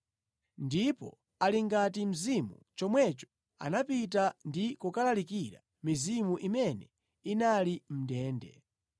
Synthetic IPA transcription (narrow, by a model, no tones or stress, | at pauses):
ndipɔ | aliŋɡatim̩zimṵt͡ʃɔmwɛt͡ʃɔ̥ | a̰napitandikukalalikiɾa̰ | mizimuʔimɛnɛ | inalim̩dɛːndɛ̰